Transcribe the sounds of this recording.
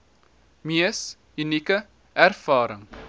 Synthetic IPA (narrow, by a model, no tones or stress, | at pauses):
miəs | ynikə | ærfɑːɾəŋ